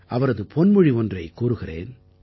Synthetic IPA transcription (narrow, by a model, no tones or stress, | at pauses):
ʔɐʋɐɾɐðɯpʰɔnmɯɻiɔndrɐɪkuːɾɯɣɪrḛːn